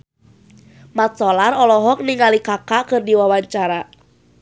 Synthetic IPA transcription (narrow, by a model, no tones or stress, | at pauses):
mat̪̚sɔlarɔlɔɦɔk̚niŋalikakaʔkɨrdiwawaɲt͡ʃaɾa